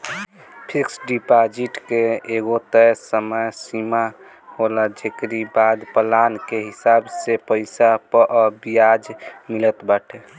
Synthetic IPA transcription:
pʰiksɖipad͡ʒiʈkeːɡot̪əjsəməjsima | holad͡ʒekɾibad̪pəlankeɦɪsaːbsepəɪsapəʔɔbijad͡ʒmilət̪bəʈʰe

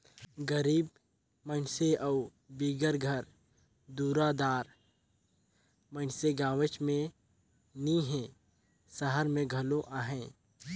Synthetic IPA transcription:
ɡəɾiːb | mənseʔɐʊ | biːɡəɾɡʱəɾ | d̪uːɾad̪aːɾ | mənseɡaːʋət͡ʃmẽ | nĩɦẽː | səɦəɾmẽɡʱɐloʔaːɦɛ̃ː

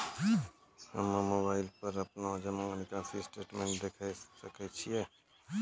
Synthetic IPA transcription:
həmmobaːɪlpəɾɐpnad͡ʒəmãŋnɪkãsisʈɾeːʈmẽːɳʈ̚d̪eːkʰaisəkɛt͡ʃʰijɛ

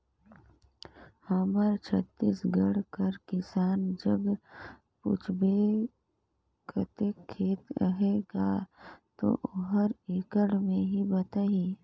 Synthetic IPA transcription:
həməɾt͡ʃʰət̪ːiːsɡəɽkɐɾkɪsaːnd͡ʒəb | pʊ̰t͡ʃʰbe | kʰət̪ekʰːeːt̪ɾəɦeɡa̰t̪o̰ʔʊɦəɾekəɽmẽɦibət̪ai

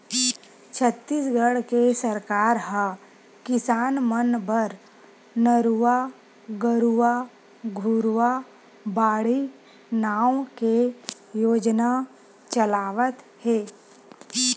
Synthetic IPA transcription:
t͡ʃʰət̪ːiːsɡəɽkesəɾkaːɾɦə | kɪsaːnmənbəɾ | nəɾuʋa | ɡəɾua | ɡʱuɾwa | baːɽi | naːw̃ke | joːd͡ʒna | t͡ʃəlaːʋət̪ | hɛː

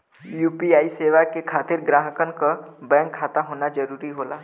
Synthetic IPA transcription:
juːpiaːiseːʋakekʰaːt̪ɪɾɡɾaːɦəkənkabɛ̃ːŋkʰːaːt̪aɦoːnad͡ʒɐɾuːɾiɦoːla̰ː

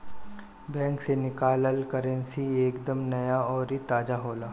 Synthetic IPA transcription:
bɛ̃ːŋksenɪkaːləlkəɾə̃nsieːkd̪əmnɐjaɔːɾit̪aːd͡ʒaɦoːlaː

